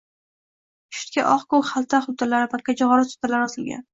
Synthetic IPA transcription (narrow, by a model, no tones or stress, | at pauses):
ʃʊ̥t̪̚kʲa̰ʔɒχkokχalˠt̪ʰaχʊb̚t̪alaɾɪpʰat̪̚ʲkʰʲad͡ʒɪʁɒɾɪsʊ̥t̪ʰalaɾɪɒsɪlɡʲa̰n